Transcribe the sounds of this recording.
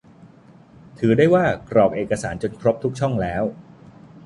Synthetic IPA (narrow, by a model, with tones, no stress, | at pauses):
t̪ʰɯː˩˦daː˥˩jwaː˥˩kɾɔː˨˩p̚ʔeː˨˩kːa˧saː˩˦nt͡ɕo˧nkʰɾo˦˥p̚t̪ʰu˦˥k̚t͡ɕʰɔ˥˩ŋlɛː˦˥w